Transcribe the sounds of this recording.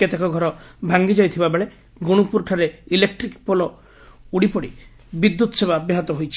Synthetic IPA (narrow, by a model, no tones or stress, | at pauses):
et̪ʰekɔɡʱɔɾɔbʱaŋɡid͡ʒɔjt̪ʰibabeɭe | ɡuɽ̃upuɾʈʰaɾeilek̚ʈɾikpɔlɔ | uɽipɔɽḭ | bid̪ːut̪ɔseβabaɦɔt̪ɔɦojt͡ʃʰi̥